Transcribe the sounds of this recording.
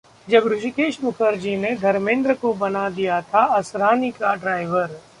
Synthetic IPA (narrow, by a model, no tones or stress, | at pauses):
d͡ʒɐbɾʊd͡ʒikeːʃmʊkʰəɾd͡ʒined̪ʱɐɾmẽːnd̪ɾəkobɐnad̪ijat̪ʰaɐsɾaːnikaɖɾaːɪʋəɾ